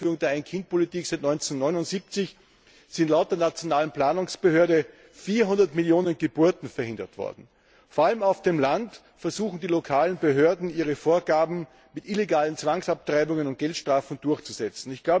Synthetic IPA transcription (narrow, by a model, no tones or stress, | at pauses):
fyːʁʊŋdeɐaɪnkʰɪnt̚pʰolitiːksaɪtnɔʏnt͡senːɔʏnʊntz̥iːp̚t͡sɪç | z̥ɪ̃ntlaʊt̚d̥eːɐnat͡sjonaːlənpl̥aːnʊŋsb̥əhøːɐɾə | fiːɐɦʊndɐtmɪljoːnənɡ̥əb̥uɐtn̩fɛɐhɪ̃ndɐ̰tv̥ɔ̰ɐdn̩ | foɐaləmaʊfd̥emlant | fɛɐz̥uːxn̩dilokʰaːlənbəɦøɐdn̩iːʁəfoːɐɡaːbm̩ | mɪtʔileɡaːlənt͡sv̥aŋsap̚tʁ̥aɪbʊŋənʊnt̚ɡ̥ɛltʃtʁ̥aːfn̩d̥ʊɐçt͡suz̥ɛt͡sn̩ɪçɡ̥laʊb